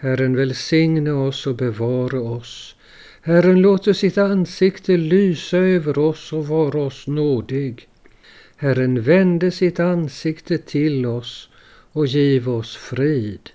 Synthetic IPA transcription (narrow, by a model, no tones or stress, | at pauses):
hærənvɛlsɪŋnəɔsɔbɛvɑːɾaɔs | hærənloːt̪əʂɪt̪ansɪkt̪ʰəlyːsaøːvəɾɔsɔvɑːɾaɔsnoːd̪ɪɡ | hæɾənvɛnd̪əsɪt̪ansɪkt̪ʰət̪ʰɪlɔs | ɔjiːvaɔsfɾiːd̪̥